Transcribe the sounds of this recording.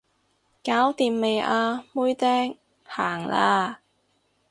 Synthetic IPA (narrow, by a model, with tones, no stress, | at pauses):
kaː˨˥wt̪iː˧mːe˨jaː˧muː˥jt̪ɛː˥ŋ | ha̰ː˨˩ŋla̰ː˧